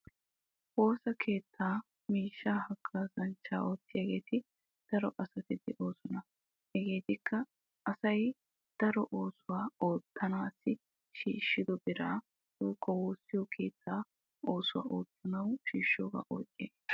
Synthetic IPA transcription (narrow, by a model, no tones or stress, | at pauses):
ʔo̞ːsɐkʰe̞ːt̪ʰːaː | miːʃːaːhɐkʼːaːsɐnt͡ʃːa̰ːʔo̞ːt̪ːɪjaːɡe̞ːt̪ʰɪ | d̪̥ɐɾɔʔɐsɐt̪ɪd̪ɛʔo̞ːsɔnɐ | hɛɡe̞ːt̪ɪkʰːɐ | ʔɐsɐj | d̪̥ɐɾɔʔoːsʊwaːoːt̪ʰːɐnaːsːɪ | ʃiːʃːɪd̪ɔbɪɾaː | d̪uːkʰːɔwoːsːɪjɔkʰe̞ːt̪ʰːaː | o̞ːsʊwa̰ːʔoːt̪ːɐnɐwʃiːʃːoːɡa̰ːʔo̰ːt͡ʃʼːeː